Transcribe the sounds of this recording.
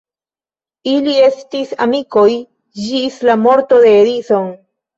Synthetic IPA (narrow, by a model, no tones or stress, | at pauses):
ilie̞stisa̰mikoj | d͡ʒislamo̞ɾto̞d̪e̞ːɾiso̞n